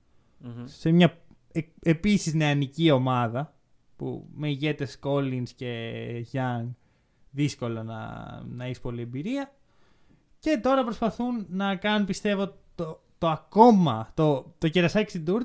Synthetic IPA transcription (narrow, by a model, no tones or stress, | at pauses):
se̞mɲɐ | ee̞pisizneɐnicio̞mɐðɐ | pṵme̞iʝe̞t̪e̞sko̞linsce̞ʝɐŋ | ðisko̞lonɐ̰nɐisi̥po̞lie̞mbiɾiɐ | ce̞t̪o̞ɾɐpɾo̞spɐθunːɐkɐnunpist̪e̞vot̪o | t̪o̞ɐko̞mɐt̪o̞t̪o̞ceɾɐsɐci̥st̪id̪uɾ